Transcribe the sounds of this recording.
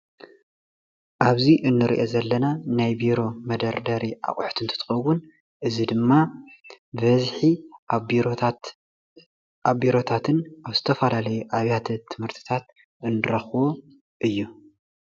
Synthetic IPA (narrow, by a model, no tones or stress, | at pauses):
ʔaβziʔɨnːɨɾḭʔo̞zɐlːɐnanajbiɾo̞mɐd̪ɐɾd̪ɐɾiʔa̰χʼuħt̪ʰɨnt̪ʰɨt̪ʰɨ̥xɐwun | ʔɨzid̪ɨmːa | bɐzħi | aβbiɾo̞t̪ʰat̪ʰɨnʔaβzɨt̪ʰɐfɐlalɐjuʔaβjat̪ʰɐt̪ʰɨmhɨɾt̪ʰi̥t̪ʰat̪̚ | ɨnːɨɾɐxwo | ʔɨjːu